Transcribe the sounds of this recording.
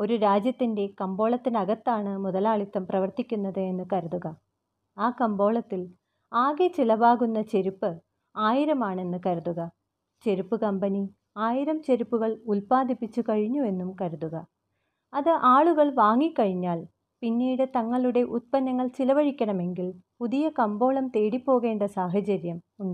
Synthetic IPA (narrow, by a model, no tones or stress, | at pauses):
o̞ɾuɾaːd͡ʑjɐt̪ːinde̞kɐmbo̞ːɭɐt̪ːinɐɣɐt̪ːaːɳɨmuðɐlaːɭit̪ːɐmprɐʋɐrt̪ikʲːunːɐðɨe̞nːɨkɐɾuðuɣɐ | aːkɐmbo̞ːɭɐt̪ːil | aːɣet͡ɕilɐbaːɣunːɐt͡ɕe̞ɾupːɨ | aːjiɾɐmaːɳe̞nːɨkɐɾuðuɣɐ | t͡ɕe̞ɾupːɨkɐmbɐni | aːjiɾɐmt͡ɕe̞ɾupːuɣɐɭulpaːd̪ipːit͡ɕːukɐɻiɲːue̞nːumkɐɾuðuɣɐ | ɐðɨʔaːɭuɣɐɭʋaːŋːikːɐɻiɲːaːɭ | pinːiːɽɨt̪ɐŋːɐɭuɽe̞ʔut̪̚pɐnːɐŋːɐɭt͡ɕilɐʋɐɻikʲːɐɳɐme̞ŋɡilpuðijɐkɐmbo̞ːɭɐmt̪e̞ːɽipːo̞ːɣe̞ːɳɖɐsaːɦɐt͡ɕɐɾjɐm | uɳɖɐ